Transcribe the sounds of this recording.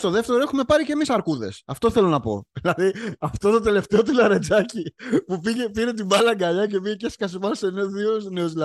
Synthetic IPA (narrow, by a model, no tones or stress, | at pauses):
st̪o̞ðe̞ft̪eɾoexume̞pɐɾice̞misɐɾkuðe̞̰sɐft̪o̞θe̞lo̞nɐpo̞̰ðilɐðiɐft̪ot̪o̞d̪e̞le̞ft̪e̞ot̪ulɐɾe̞d͡zɐcipupiʝe̞piɾe̞t̪̬ibɐlɐŋɡɐʎɐce̞piʝeceskɐsipɐnseneðiosneozlɐ